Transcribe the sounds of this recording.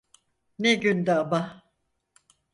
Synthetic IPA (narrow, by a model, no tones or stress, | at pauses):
neɟynd̪ɛaba